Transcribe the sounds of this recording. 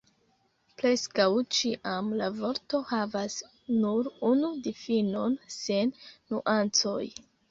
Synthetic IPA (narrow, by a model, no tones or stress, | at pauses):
pɾe̞skawt͡ʃiʔamlavo̞ɾto̞havas | nuɾunudifino̞nse̞nːuʔant͡so̞̰j